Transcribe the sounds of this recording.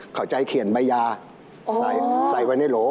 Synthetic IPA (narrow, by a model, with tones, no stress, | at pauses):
kʰa˨˩wt͡ɕa˧jkʰi˨˩ənba˧jaː˧ | sa˨˩˦jsa˨˩jwa˧jna˧˩jloː˨˦